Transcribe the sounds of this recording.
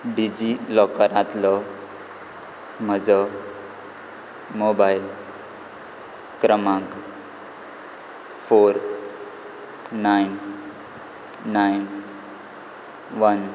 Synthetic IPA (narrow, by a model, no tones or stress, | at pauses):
ɖid͡ʑilɔkaɾãt̪lɔ | m̤əd͡zə | mobail | kɾəmãŋk | foɾ | ain | ain | ʋən